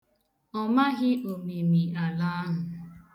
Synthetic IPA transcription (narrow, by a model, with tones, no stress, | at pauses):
ɔ˦ma˦ɣɪ˦ʔo˨me˨mi˨a˨la˦a˦ɦʊ˨